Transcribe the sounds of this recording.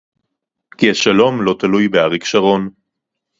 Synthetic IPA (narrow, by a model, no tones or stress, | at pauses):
kiaʃalo̞mlo̞t̪alujbeaʁikʃaʁo̞n